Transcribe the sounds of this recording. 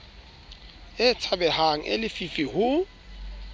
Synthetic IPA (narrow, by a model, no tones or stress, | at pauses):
ɪt͡sʰabɛhaŋ̩ʔɪ̰lɪfifihʊ